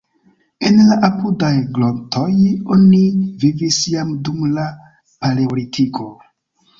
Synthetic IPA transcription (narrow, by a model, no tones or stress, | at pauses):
enlaʔapudajɡlo̞nto̞jo̞nivivisjamdumla | paleolitʰiko̞